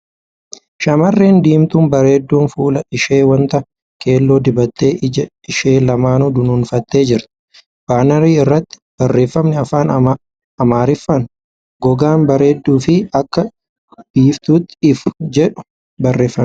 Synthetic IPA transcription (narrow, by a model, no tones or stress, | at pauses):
ʃɐmɐrːeːnd̪iːmt̪uːnbɐɾe̞ːd̪ːuːnfuːlɐɪʃeːwɐnt̪ɐ | kʰʼe̞ːlːo̞ːd̪ɪbɐt̪ːe̞ː | ɪʃe̞ːlɐmaːnʊd̪ʊnuːnfɐt̪ːe̞ːd͡ʒɪɾt̪ɪ̥ | b̥aːnɐɾiːɪrːɐt̪ːɪ̥b̥ɐrːe̞ːfːɐmnɛɐfaːn | ɐmaːɾɪfːɐn | ɡɔɡaːnbɐɾe̞ːd̪ːuːfɪɐkːɐ | b̥iːft̪uːt̪ːɪɪfd͡ʒɛᶑʊ̥ | bɐrːe̞ːfːɐ